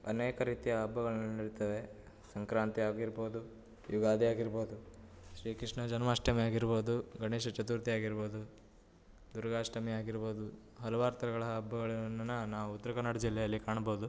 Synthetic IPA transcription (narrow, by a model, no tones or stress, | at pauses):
ɐ̰neːkɐɾiːt̪ijɐːbːɐɡɐɭɐnːɐniɽit̪ɐʋe̞ | sɐŋkɾaːnt̪iaːɡiɾbo̞ːd̪u | juɡaːd̪ijaːɡiɾboːd̪u | ʃɾiːkɾiʂɳɐd͡ʒɐnmaːʂʈɐmɛjaːɡiɾboːd̪uɡɐɳeːʃɐt͡ʃɐt̪uɾt̪ijaːɡiɾbo̞ːd̪u | d̪uɾɐɡaːʂʈʰɐmɛjaːɡiɾboːd̪u | ɦɐlɐʋaːɾt̪ɐɾɐɡɐɭɐːbːɐɡɐɭɐnɐnːɐnaːʋuut̪ːɐɾɐkɐnːaɽɐd͡ʒilːɛjɐlːikaːɳɐboːd̪u